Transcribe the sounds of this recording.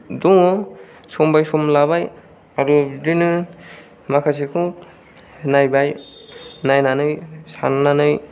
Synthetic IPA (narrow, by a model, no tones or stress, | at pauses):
duŋɔ | sɔmbajsɔmlabaj | aɾudinɯ | makʰas̬ikʰu | najbaj | najnanɯjsa̰nnanɯj